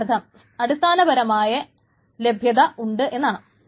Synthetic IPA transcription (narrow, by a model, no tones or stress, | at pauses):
ɐt̪ʰɐm | ɐɽist̪ʰaːnɐbɐɾɐmaːjɐ | le̞bʱjɐðɐʔuɳɖɨʔe̞nːaːɳɨ